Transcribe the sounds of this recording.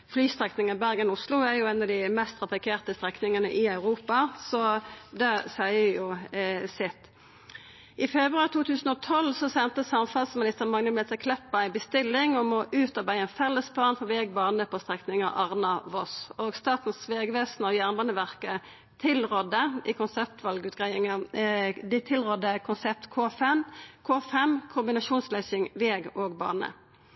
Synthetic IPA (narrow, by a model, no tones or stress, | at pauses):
flyːst̪ʁɛknɪŋəbæʁɡənʊslʊæɾjʊɛnɑd̪ɪmɛst̪ʰʁɑpɑkʰeːʁt̪əst̪ʁɛknɪŋənəʔɪɑʉɾuːpɑsɔd̪ɛsæɪəjʊsɪt̪ː | ɪfɛbʁʉɑɾʁt̪ʰuːt̪ʰʉːsn̩ɔt̪ʰɔlsɔsɛnt̪əsɑmfɑlsmɪnɪst̪əʁmɑŋnəmlɛt̪əkʰlɛpːɑɪbəst̪ɪlːɪŋɔmɔʔʉːt̪ɔbæɪɛnfɛlːəsplɑːnfɔʋeːɡbɑːnəpʰɔst̪ʁɛknɪŋəʔɑʁnɑʋɔsoːɡst̪ɑːt̪n̩sʋeːɡʋeːsnɔjæʁnbɑːnəʋæʁkə | t̪ʰɪlʁɔd̪əiːkʊnsɛp̚t̪ʋɑlɡəʉːt̪̚ɡʁæɪɪŋɑd̪ɪt̪ʰɪlʁɔd̪ːəkʰʊnsɛp̚t̪kʰoːfɛmkʰoːfɛmkʰʊmbɪnɑʃuːnslœʏsɪŋʋeːɡoːɡbɑ̰ːnə̰